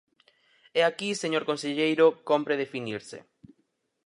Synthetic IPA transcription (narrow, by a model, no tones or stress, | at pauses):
ɛakiseɲoɾkonseʎejɾokompɾeðefiniɾsḛ